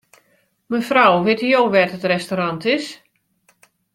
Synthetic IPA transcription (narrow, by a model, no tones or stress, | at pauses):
mənfrawʋɪtijoːʋɛtətrɛstoɾantɪs